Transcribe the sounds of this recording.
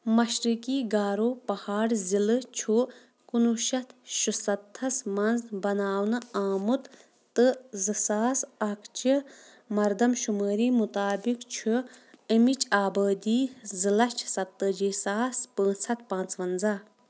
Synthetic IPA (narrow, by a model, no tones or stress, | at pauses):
mɐʃɾikiːɡaːɾoːpɐhaːɽzilɨt͡ʃʰu | kunuʃɐt̪ʃusɐt̪ʰːɐsmɐnzbɐnaːwnɨaːmut̪ | t̪ɨzɨsaːsɐkʰt͡ʃi | mɐɾd̪ɐmʃuməːɾiːmut̪aːbikt͡ʃʰuəmit͡ʃʼaːbəːd̪iːzilɐt͡ʃʰsɐt̪ːəd͡ʒiːsaːspə̃ːt͡sʰɐt̪̚pãːnt͡sʋɐnza